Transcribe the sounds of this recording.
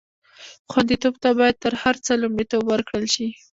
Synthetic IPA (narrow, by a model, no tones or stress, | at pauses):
xwand̪it̪obt̪abɑjad̪̚t̪əɾhaɾt͡səlumɽet̪obwəɾkɽəlʃi